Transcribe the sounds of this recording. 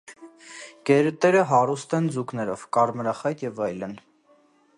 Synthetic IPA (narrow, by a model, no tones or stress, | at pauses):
ɡ̥ɛɾət̪ɛɾəɦɑɾust̪ɛnd͡zuknɛɾɔ̰vkɑɾməɾɑχɑjt̪jɛvɑjlən